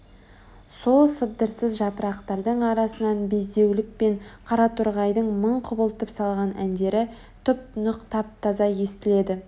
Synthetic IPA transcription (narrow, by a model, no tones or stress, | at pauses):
so̞lˠsəb̚d̪əɾsəzʒɑpəɾɑqt̪ɑɾd̪əɴɑɾɑsənɑnbezd̪e̞wlɪk̚pe̞ɴqʰɑɾɑt̪ʰʊɾʁɑjd̪əɴməɴqʰʊbəlˠt̪əpsɑlˠʁɑnʔænd̪e̞ɾɪ | t̪ʰʏp̚nʊqt̪ʰɑp̚t̪ʰɑzɑje̞st̪ɪle̞d̪ɪ